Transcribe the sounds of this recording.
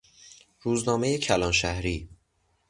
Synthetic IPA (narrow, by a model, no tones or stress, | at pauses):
ɾuːznɒːme̞jecʰælɒːnʃæhɾiː